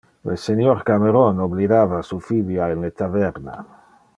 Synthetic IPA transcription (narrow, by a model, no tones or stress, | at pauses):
lesenjoɾkameɾonoblid̪aːvasufibjainlet̪avɛɾna̰